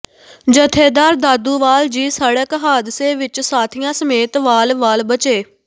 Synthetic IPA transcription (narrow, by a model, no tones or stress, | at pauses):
d͡ʒət̪ʰeːd̪aːɾd̪aːd̪uːʋaːld͡ʒiːsəɽəkɦaːd̪ɪseːʋɪt͡ʃsaːt̪ʰɪjãːsəmeːt̪ʋaːlʋaːlbət͡ʃeː